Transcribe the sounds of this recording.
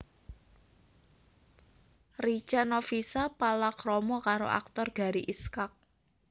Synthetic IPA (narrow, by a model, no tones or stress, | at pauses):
rit͡ʃanɔfisapalakɾɔmɔkaɾo̰ʔa̰k̚t̪ɔrɡ̥a̤ɾiʔiskak̚